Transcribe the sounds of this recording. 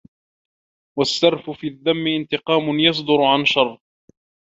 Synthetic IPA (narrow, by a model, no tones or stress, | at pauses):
wasːɑɾˤfʊfiːaðːamːɪʔɪnt̪ɪqɑːmʊnjɑs̬ˤd̪ʊɾʊʕanʃɑrˤː